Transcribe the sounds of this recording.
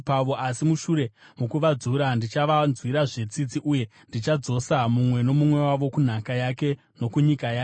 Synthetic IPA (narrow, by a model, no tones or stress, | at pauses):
paʋo̞ʔasimuʃuɾe̞mukuʋad͡zuɾandit͡ʃaʋanzwiɾaʐe̞t͡sit͡siʔuje̞ | ndit͡ʃad͡zo̞samumwe̞no̞mumwe̞waʋo̞kun̤akajake̞ | no̞kuɲikajaːke